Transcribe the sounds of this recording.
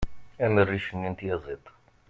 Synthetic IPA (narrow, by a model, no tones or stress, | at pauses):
æmərːiʃənːint̪jɑzˤit̪ˤ